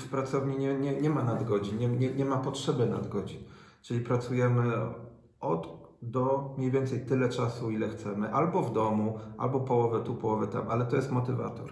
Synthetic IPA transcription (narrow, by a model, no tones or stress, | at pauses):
fpɾat̪sɔvɲiɲɛɲɛɲɛmanad̪ɡɔd͡ʑinɲɛɲɛɲɛmapɔtʂɛbɛna̰d̪ɡɔd͡ʑin | t͡ʂɘlʲipɾat̪sujɛmɘ | ɔd̪ | d̪ɔmʲɲejvʲjɛnt̪sɛjt̪ɘlɛt͡ʂasuilɛxt̪sɛmɘʔalbɔvd̪ɔmua̰lbɔpɔwɔvɛt̪upɔwɔvɛt̪a̰mʔalɛt̪ɔjɛst̪mɔt̪ɘva̰t̪ɔ̰ɾ